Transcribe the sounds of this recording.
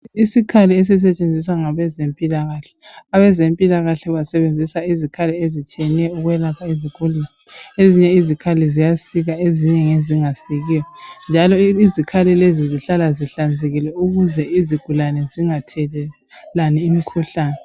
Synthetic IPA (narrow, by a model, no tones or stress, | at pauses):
isikʰaliɛs̬ɛs̬ɛt͡ʃʼend͡zʱiswaŋaβɛzempʼilaɣaɬɛ̥aβɛzempʼilaɣaɬɛβasɛβend͡zʱisaizikʰaliezit͡ʃʼiɛniɛuɣwɛlapʰaiziɡ̥ʱulinɛeziɲɛizikʰalizijasiɣaeziɲɛŋeziŋasiɣiːjɔnd͡ʒʱalɔizikʰalileziziɬalaziɬand͡zʱeɣilɛuɣuzɛiziɡ̥ʱulanɛziŋatʰɛlɛ | laniimikʰuɬaːnɛ